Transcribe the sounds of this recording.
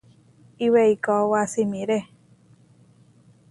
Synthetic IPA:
iweikɔwasimĩɾe

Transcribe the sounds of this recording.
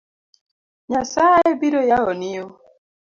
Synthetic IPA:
ɲasajebiɾojaɔnio

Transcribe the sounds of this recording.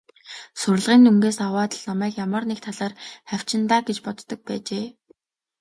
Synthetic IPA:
sʊɾ̆ɮʁiːnuŋɡeːsawaːt̪ə̆ɮnɔmæːkjamə̆rnek̚t̪ʰaɮaːrχæw̥ʲt͡ɕɪ̆nt̪aːɡet͡ɕpɔt̪ːɞ̆k̚pæːt͡ɕeː

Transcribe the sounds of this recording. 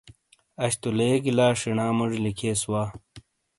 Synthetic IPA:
ɐɕt̪uleːɡilaːʂiɳaːmuʐlikʰeːswaː

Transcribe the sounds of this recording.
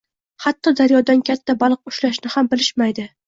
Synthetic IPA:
hat̪ʰːɒd̪aɾjɒd̪ankʲʰat̪ʰːabalˠqʊʃlaʃnɪhambɪlɪʃmajd̪ɪ

